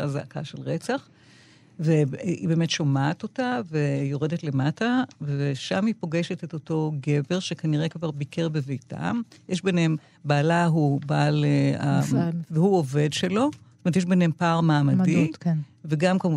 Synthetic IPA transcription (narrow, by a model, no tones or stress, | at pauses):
azaaka̰ʃelʁet͡saχ | veḭbe̞ːme̞tʃomaːto̞tavejo̞ʁedetlemataveʃamhipo̞ɡe̞ʃetetoto̞ɡe̞veʁʃekaniʁekvaʁbike̞ʁbevejta̰mjeʃbenhem | baːlaɦubaleaveuove̞dʃelo̞tomet̪̬jeʃ̬benhempaʁmaːmadiveɡamkamu